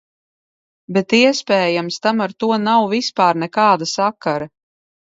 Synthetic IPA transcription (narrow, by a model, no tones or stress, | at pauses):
bɛt̪iɛspɛːjamst̪amaɾt̪uɔnawvispaːɾnɛkaːd̪asakaɾa